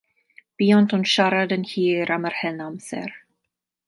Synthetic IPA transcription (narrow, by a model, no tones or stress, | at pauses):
b̥iːɔntɔnʃaɾadənhiːɾaməɾhɛnamsɛ̰ɾ